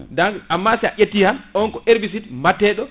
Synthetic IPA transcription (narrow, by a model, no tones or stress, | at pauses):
daŋamːasɛaʔetːihanʔɔnkɔʔeɾbis̬itmatːɛːɗɔ